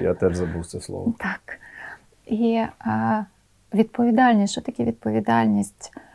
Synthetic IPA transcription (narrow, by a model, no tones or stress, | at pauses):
ja̰t̪ɛʐzɐbuwt̪sɛslˠɔ̰t̪ʰɑk | i | ʋʲid̪̥̚pɔʋʲid̪ɑlʲnʲisʲʃt͡ʃɔt̪ɐkʲiʋʲid̪̚pɔʋʲid̪ɑlʲnʲisʲtʲ